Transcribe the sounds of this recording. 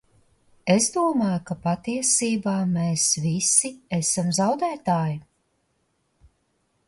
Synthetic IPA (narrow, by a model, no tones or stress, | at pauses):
ezd̪uɔmaːjukapat̪iɛsiːbaːmeːsvisiesamzawd̪æːt̪aːju